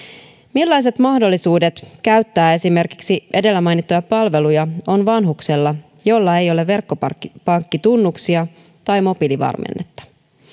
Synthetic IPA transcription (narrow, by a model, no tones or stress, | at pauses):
milːɑjs̬e̞t̪mɑhdo̞lːisuːde̞t̪kæɥt̪ːæːe̞sime̞rki̥ksiʔe̞de̞lːæmɑjnit̪ːojɑpɑlʋe̞lujɑo̞nʋɑnɦukselːɑ | jo̞lːɑe̞jo̞leːe̞rkːoppɑŋkːit̪unːuksiɑ | t̪ɑjmo̞piliʋɑ̰rmḛnːet̪ːɑ̥